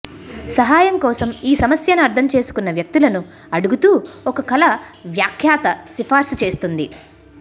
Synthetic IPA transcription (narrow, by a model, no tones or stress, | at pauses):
sɐɦaːjɐŋkɔːsɐmiːsɐmɐsjɐnuɐɾt̪ʰɐmt͡ʃeːsu̥kunːɐʋjɐk̚t̪ilɐnu | ɐɽuɡut̪uːɔkɐkɐlɐʋjaːkʰjaːt̪ɐsipʰaːɾsut͡ʃe̞ːst̪und̪i